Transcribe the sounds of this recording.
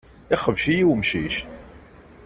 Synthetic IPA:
ɪχəvʃijiwmʃiʃ

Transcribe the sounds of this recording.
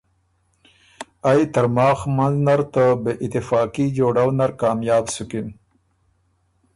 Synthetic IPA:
ajt̪ɐɾmɑːxmanznaɾt̪əbeʔɪt̪ɪfɑːkid͡ʒoːɽawnaɾkɑːmjɑːbsukin

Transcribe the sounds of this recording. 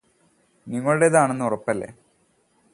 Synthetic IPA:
niŋːɐɭuɽe̞ðaːɳe̞nːɨurɐpːɐlːe̞̰

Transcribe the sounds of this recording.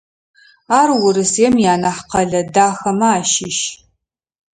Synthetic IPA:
aːrwʊɾɨseːmjaːnɐħqʰɐɮɐdaːxɐmaaːʃɪʃ

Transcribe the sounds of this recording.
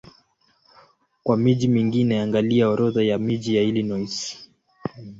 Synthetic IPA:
kwamiʄimiŋɡiːnɛaŋɡaliaɔɾɔðajamiʄijailinɔjsi̥

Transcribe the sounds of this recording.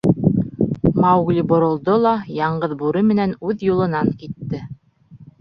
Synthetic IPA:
mɑwɡlʲibŏɾŏlˠd̪olˠɑjɑɴɢɤðbuɾɘmɘ̆nænʉðjulˠɤ̆nɑŋkit̪ːɘ

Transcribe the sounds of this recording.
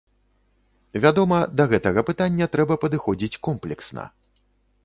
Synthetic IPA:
vʲad̪ɔmɐd̪ɐɣɛt̪ɐɣɐpɨt̪anʲːɐt̪ɾɛbɐpɐd̪ɨxɔd͡zʲit͡sʲkɔmplʲɛksnɐ̰

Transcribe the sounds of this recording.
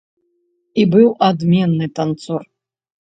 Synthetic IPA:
ibɨwʔad̪mʲɛnːɨt̪ant̪sɔr

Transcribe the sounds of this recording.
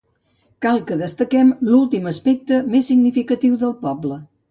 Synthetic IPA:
kalˠkəðəst̪əkɛmlulˠt̪iməspɛk̚t̪əmesːiɡnifikət̪iwðəlˠpɔblə

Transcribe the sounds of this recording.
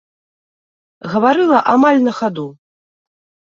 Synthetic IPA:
ɣɐvaɾɨlˠɐʔamalʲnɐxad̪u

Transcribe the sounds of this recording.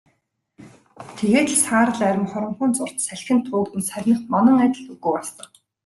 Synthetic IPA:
t̪ʰeɣeːt̪ɮsaːɾə̆ɮæɾʲɪ̆mχɔɾɞ̆mχʊ̆nt͡sʊr̥t̪sæɮxʲɪ̆nt̪ʰʊːkt̪ɘ̆nsæɾʲnə̆χmɔnɞ̆ŋæt̪ʲə̆ɮt̪uɣŭːɔst̪ə̆k

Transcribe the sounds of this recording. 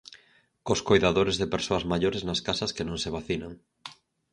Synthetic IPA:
koskojðaðoɾezðepeɾsoɐzmaʎoɾeznaskasɐskenõŋseβ̞aθinaŋ

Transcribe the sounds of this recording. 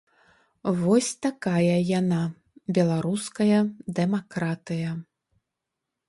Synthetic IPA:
vɔsʲt̪akajɐjana | bʲɛlˠaɾuskɐjɐd̪ɛmakɾat̪ɨjɐ

